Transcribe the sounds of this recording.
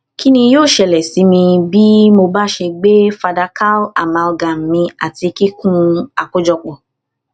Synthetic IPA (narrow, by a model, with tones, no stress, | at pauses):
ki˦nĩ˧joː˦˨ʃɛ˨lɛ˨si˨˦mĩ˧bi˦mo˧ba˦ʃe˧ɡ͡be˦fa˧da˧ka˦la˨mã˧lɡã˨m̩˨mĩ˧a˨ti˧ki˦kũ˦a˨ko˦d͡ʒɔ˧k͡pɔ˨